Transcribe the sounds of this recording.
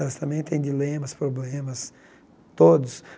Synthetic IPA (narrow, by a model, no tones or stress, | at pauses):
ɛlɐst̪ɐ̃mbẽj̃t̪ẽj̃d̪ilẽmɐspɾoblẽmɐs | t̪od̪ʊs